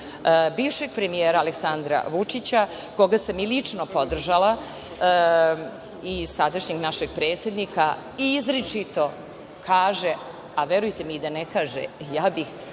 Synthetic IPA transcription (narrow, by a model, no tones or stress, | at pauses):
biːʋʃe̞ɡ̥̚pɾe̞mijeːɾaːleksand̪ɾa̰ʋut͡ʂit͡ɕa | ko̞ɡasamilit͡ʂno̞po̞d̪r̩ʒala | isad̪aʃɲeɡnaʃeɡ̚pɾe̞ːt̪sjed̪nika | izɾet͡ʂit̪o̞ | kʰaːʒe | aʋe̞ɾujt̪emid̪anekaːʒḛjaːbix